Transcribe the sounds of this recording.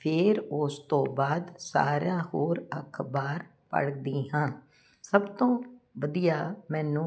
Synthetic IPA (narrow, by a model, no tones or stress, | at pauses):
pʰɪːɾʊst̪õːbaːd̪sa̰ːɾjãːhoːɾəkʰbaːɾ | pə̰ɽd̪iːɦãː | səbt̪õːʋəd̪ijaːmɛ̃ːnũː